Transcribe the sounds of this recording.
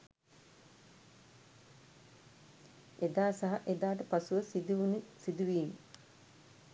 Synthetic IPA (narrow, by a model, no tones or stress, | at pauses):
ed̪aːsɐɦaʔed̪aːʈ̬əpasuʋəsid̪uunisid̪uʋiːmə